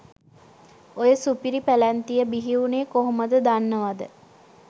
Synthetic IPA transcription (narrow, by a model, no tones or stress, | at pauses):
ojəsupiɾipælænt̪ijəbiɦiuneːkoɦoməd̪əd̪anːəʋad̪ə